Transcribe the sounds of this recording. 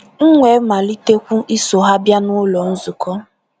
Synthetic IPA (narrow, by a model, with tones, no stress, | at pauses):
ŋ̩˦ŋʷe˨˦ma˨li˦te˦kʷu˦ʔi˦so˨ɦa˦bja˦nʊ˦lɔ˨n̩˦zʊ˨kɔ˦